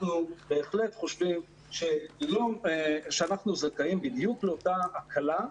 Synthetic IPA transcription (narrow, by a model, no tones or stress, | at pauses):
nube̞ːχle̞t̪χo̞ʃvim | ʃejomʃeanaχnuzakaimbid̪jukle̞o̞taakʰala